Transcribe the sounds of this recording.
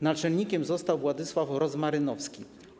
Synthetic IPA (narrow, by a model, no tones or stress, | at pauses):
nat͡ʂɛlɲikʲɛmzɔst̪awvwad̪ɘswafɾɔzmaɾɘnɔfskʲi